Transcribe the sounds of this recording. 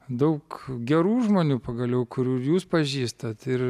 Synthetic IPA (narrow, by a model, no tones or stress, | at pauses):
d̪ɐʊkɡʲɛɾuːʒmoːnʲuːpɐɡɐlʲjɛʊkʊɾʲuːjuːspɐʒʲiːst̪ɐt̪ɪr